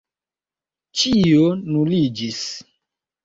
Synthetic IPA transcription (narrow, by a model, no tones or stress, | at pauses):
t͡ʃionulid͡ʒis